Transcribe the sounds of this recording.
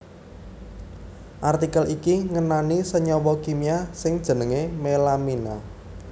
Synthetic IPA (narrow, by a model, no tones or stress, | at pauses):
ʔart̪ikəlʔikiŋənanisəɲɔwɔkimiasɪŋd̥ʒ̥ə̤nəŋemelamina